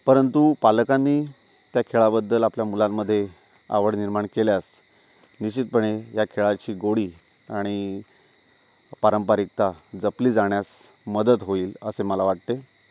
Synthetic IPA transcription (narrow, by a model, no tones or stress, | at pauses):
pəɾənt̪upaləkanːiː | t̪jakʰeɭabəd̪ːəlapljamulamːəd̪ʱːje | a̰ʋəɽniɾmaɳkeljas | niɕit̪̚pəɳejakʰeɭat͡ɕiːɡoɽiː | aɽ̃i | paɾəmpaɾik̚t̪ad͡zəpliːd͡zaɳ̃jas | məd̪ət̪ɦoiːləseməlaʋaʈ̚t̪e